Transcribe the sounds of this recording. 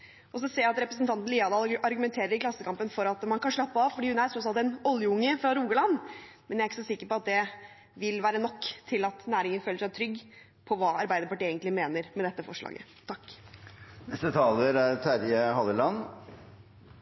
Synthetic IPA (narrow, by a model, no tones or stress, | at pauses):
ʔɔs̬ɔseːjaæɑt̪ɾɛpɾəsn̩t̪ʰɑnt̪n̩liːɑd̪ɑːlɑɾɡʉmɛnt̪ʰeːɾəɾɪkʰlɑsːəkʰɑmpənfɔɾɑt̪mɑnkɑnʂɭɑpːəɑːʋfɔɖiːhʉnæɾtʰɾɔt̪sɑlt̪ɛnɔljəʊŋːəfɾɑɾuːɡəlɑn | mɛnjæɾɪkːəsɔsɪkːəɾpɔɑt̪̚d̪ɛ | ʋɪlʋæːɾənɔkːt̪ʰɪlɑt̪næːɾɪŋənføːləʂæɪt̪ʰɾʏɡː | pʰɔʋɑːɑɾbæɪd̪əɾpɑʈiɪeːɡənt̪lɪmeːnəɾmɛd̪ɛt̪ːəfɔʂɭɑ̰ːɡə̰ | t̪ʰɑkː | nɛst̪ət̪ʰɑːləɾæɾt̪ʰæɾjəhɑd̪əlɑn